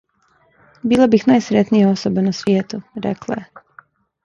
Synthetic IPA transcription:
biːlˠabixnaːjsɾet̪nijao̞sobenasʋjeːt̪uɾḛklˠa̰je

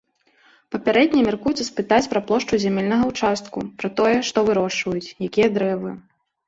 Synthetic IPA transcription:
pɐpʲaɾɛd̪ʲnʲɛmʲarkujut̪sɐspɨt̪at͡sʲpɾɐplˠɔʂt͡ʂuzʲamʲɛlʲnɐɣɐwt͡ʂast̪kupɾɐt̪ɔjɛʂt̪ɔvɨɾɔʂvɐjut͡sʲjakʲijɐd̪ɾɛvɨ

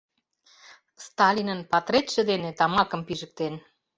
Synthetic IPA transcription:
st̪ɑlʲinənpɑt̪ɾet̪ʃĕd̪enet̪ɑmɑkə̆mpiʒə̆k̚t̪en

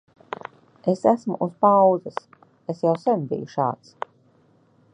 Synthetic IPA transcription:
esæsmṵʔuspawd̪zɛs | esjawsɛmbḭjuʃa̰ːt̪s

